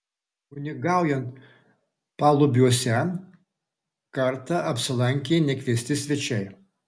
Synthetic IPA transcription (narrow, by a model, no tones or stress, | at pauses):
ʊnʲɪɡɑˑʊjɛnt̪ | pɑːlˠʊbʲjuɔsʲɛ | kɐɾt̪ɑɐpʲsʲɪlˠɐŋʲkʲeːnʲɛkʲʋʲiɛsʲt̪ʲɪsʲʋʲɛt͡ʃʲɛɪ